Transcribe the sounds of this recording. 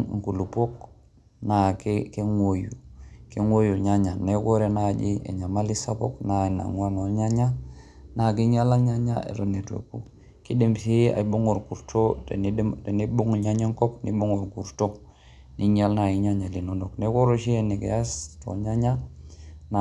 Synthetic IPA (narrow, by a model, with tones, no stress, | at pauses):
ŋ˨ku˨lu˨po˦k̚ | na˨kke˦ŋwo˨ju˨ke˦ŋwo˦ju˨ɲa˦ɲa˨ne˦ko˦ɾe˨na˦˨d͡ʒi˦ḛ˨ɲa˨ma˦li˦sa˦po̰˦kna˨i˨na̰˨ŋwa˦ŋo˨ɲa˦ɲa˦ | na˨ki˦ɲa˦la˦ɲa˦ɲa̰˦ḛ˨ɾo˨ne˨tuo̰˨kṵ˨ | ki˦de˨msi˦a̰˨i˨bo˦ŋo˨ɾku˨ɾto˦˨ | te˨ni˦bu˦ŋɲa˦ɲa˦ŋko˦pni˦bo˦ŋo˨ɾku˨ɾto˦ | ni˦ɲa˦lna˨i˦ɲa˦ɲa˨li˨no˨no˨kne˦ko˦ɾo˨ʃi˦e˨ni˨kḛ˨ja˦sto̰˨ɲa˦ɲa˦ | na